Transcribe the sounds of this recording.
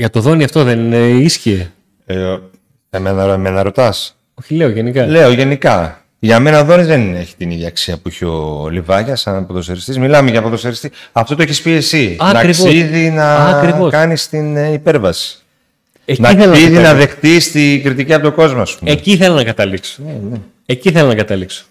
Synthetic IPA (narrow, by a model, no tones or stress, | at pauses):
ʝɐt̪oðo̞niɐft̪oðenisçie | emenmenɐɾo̞t̪ɐs | oçileoʝenikɐle̞o̞ʝe̞nikɐ | ʝɐme̞nɐðo̞nizðenieçi̥t̪iniðjɐːksiɐpuiçeo̞livɐʝɐsɐnɐpoðo̞seɾist̪izmilɐmeʝɐpoðoseɾist̪iɐft̪o̞t̪oeçispiesiɐnɐɾioiðinɐɐɾiokɐnist̪inipe̞ɾvɐsi̥ | enɐθelniðinɐðe̞xt̪ist̪iɡɾit̪iciɐpo̞t̪oko̞zmoɐspumeciθelonɐkɐt̪ɐlikso̥nene | eciθelonɐkɐt̪ɐlikso̥